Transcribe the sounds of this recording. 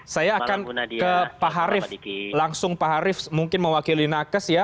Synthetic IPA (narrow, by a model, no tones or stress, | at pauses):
sajaːkankəpaɦaɾɪflaŋsʊŋpaɦaɾɪfmuŋkɪnməwakilinakəsja